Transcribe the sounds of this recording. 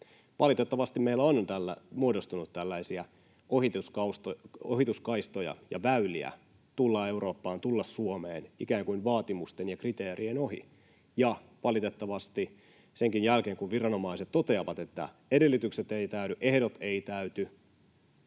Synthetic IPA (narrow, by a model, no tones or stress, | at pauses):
ʋɑlit̪et̪ːɑʋɑst̪immeilːæont̪ælːæ̰muodost̪unut̪t̪ːælːæisiæ | ʔohit̪uskɑst̪oɦit̪uskɑist̪ojɑ̰jɑ̰ʋæyliæ̰ | t̪ulːɑːe̞uɾo̞ːpːɑːnt̪ulːɑsːuomeːnikæːŋkuinʋɑːt̪imust̪enjɑkrit̪eːɾieno̞ɦḭ | jɑʋɑlit̪et̪ːɑʋɑst̪i | seŋkinjælkeːŋkuʋʋirɑno̞mɑiset̪tːo̞t̪e̞ɑʋɑt̪et̪ːæ̰ | edelːit̪ykset̪eit̪æydyʔehdot̪eit̪æyt̪y